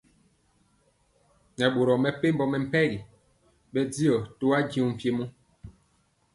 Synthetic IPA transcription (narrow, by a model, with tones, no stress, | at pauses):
nɛ˨ɓo˨ɾɔ˨mɛ˨pe˦m˦bɔ˦mɛ˨m̩˦pɛ˦ɣi˨ | ɓɛ˦di˦ɔ˨to˦a˦ɡĩ˦u˦˨m̩˨pje˦mu˦